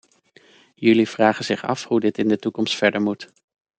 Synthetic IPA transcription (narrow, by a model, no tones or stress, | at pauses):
jɵliv̥raːχənzɪχɑ̰fhudɪtɪndətukɔmstfɛɹdəɹmut